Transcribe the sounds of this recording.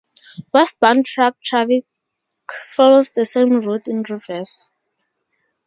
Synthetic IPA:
wɛst̚b̥ãntʰɹak̚tʰɹafi | kfɔlozdəsẽmɹutĩnɹivɛs

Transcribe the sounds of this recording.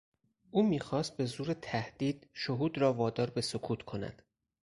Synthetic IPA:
ʔuːmiːxɒːst̪̚be̞zuːɾet̪ʰæhd̪̥iːd̪̥̚ʃoɦuːd̪ɾɒːvɒːd̪ɒːɾbe̞sokʰuːt̪ʰkʰo̞næ̰d̪̥

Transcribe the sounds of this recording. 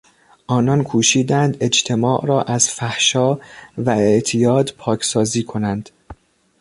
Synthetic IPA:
ʔɒːnɒːnkʰuːʃiːd̪ænd̪e̞d͡ʒt̪ʰe̞mɒːʔɾɒːʔæzfæhʃɒːvæeʔt̪ʰijɒːd̪pʰɒːcʰsɒːziːkʰo̞nænd̪̥

